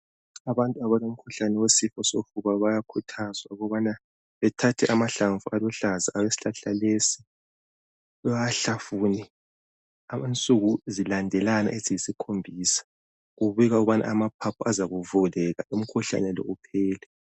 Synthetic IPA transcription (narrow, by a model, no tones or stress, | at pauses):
aβantʼuaβalom̩kʰuɬanɛwesifɔsofuβaβajakʰutʰazwa̰uɣɔβana | βɛtʰatʰɛʔamaɬaɱvualɔɬazaawesi̥ɬaɬalesi̥ | aɬafuːni | aant͡sʼuɣuzilandʱɛlana̰ʔeziisikʰombʱiːsḁ | ɣuβiɣauɣβana̰amapʰapʰuazaɣuvulɛɣaʔum̩kʰuɬa̰nɛlɔ̰ʔupʰɛːlɛ